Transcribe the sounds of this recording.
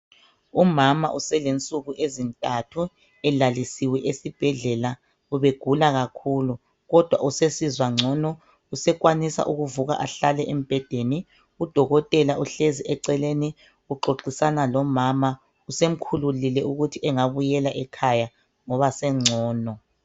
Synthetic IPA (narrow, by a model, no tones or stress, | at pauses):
umama̰ʔusɛlent͡sʼuɣuʔezintʼatʰu | ɛlalisiwɛʔesib̥ʱɛɮɛla | uβeɡ̥ʱulaɣakʰulu | ɣɔd̥ʱwa̰usesizwaŋ͡ǀʱɔnɔ | usɛkwanisa̰ʔuɣuvuɣa̰ʔaɬalɛʔem̩b̥ʱɛd̥ʱeni | ud̥ʱɔɣɔtʼɛlaʔuɬeziɛǀɛleni | uǃoǃisanalɔmama | usem̩kʰululilɛuɣutʰiɛŋaβujɛlaʔɛkʰaja | ŋɔβasɛŋ͡ǀʱɔːnɔ